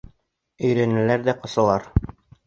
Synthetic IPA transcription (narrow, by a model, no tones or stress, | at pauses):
ɵ̆jɾænɘ̆læɾðæqŏsɤ̆lˠɑɾ